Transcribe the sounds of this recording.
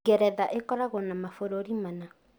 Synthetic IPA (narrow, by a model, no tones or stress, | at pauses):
ɡɛɾɛðaʔekɔɾaɣɔnamafoɾoɾimana